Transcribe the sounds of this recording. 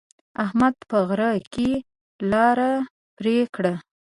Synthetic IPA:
ahmad̪̚pəɣɾake | lɑɾa | pɾekɽa

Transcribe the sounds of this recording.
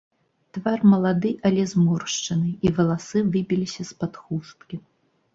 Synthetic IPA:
t̪varmɐlˠad̪ɨʔɐlʲɛzmɔrʂt͡ʂɐnɨivɐlˠasɨvɨbʲilʲisʲɐspat̪xust̪̚kʲi

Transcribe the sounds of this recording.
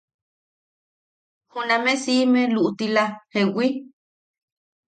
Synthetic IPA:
hunãmẽsimẽluʔut̪ilahewi

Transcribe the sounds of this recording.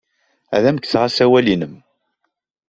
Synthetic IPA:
æ̰ðæmkːθʁasæwælinəm

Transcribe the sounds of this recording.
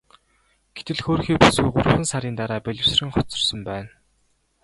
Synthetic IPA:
ɡ̥et̪ɘ̆ɮxoːrxiːpusɡujɢʊr̆χɘ̆nsaɾʲiːnt̪aɾaːpeɮʲɪ̆rsrɘ̆ŋχɔt͡sɞ̆rsə̆mpæːn

